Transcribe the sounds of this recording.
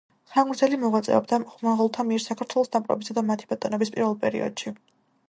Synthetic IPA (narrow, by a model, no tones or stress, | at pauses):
χaŋɡɾd̪zɛlimɔʁwat̪sʼɛ̰ɔbd̪aχmaʁulˠt̪ʰamiɛɾsakʰaɾt̪ʰwɛlˠɔsd̪ampʼɾɔ̰bisad̪amat̪ʰi̥bɔt̪ʼɔnɔbispʼiɾvɛlˠpʼɛɾḭɔ̰d̪̥ʃi